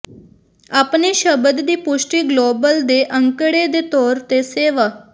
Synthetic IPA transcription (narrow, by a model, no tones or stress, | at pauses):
aːpniːʃəbəd̪d̪iːpʊʃʈiːɡloːbəld̪eːʔəŋkəɽeːd̪eːt̪ɔːɾt̪eːseːʋaː